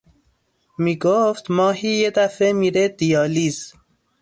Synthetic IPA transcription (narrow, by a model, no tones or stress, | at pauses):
miːɡoft̪mɒːɦiːjed̪æfemiːɾed̪ijɒːliːz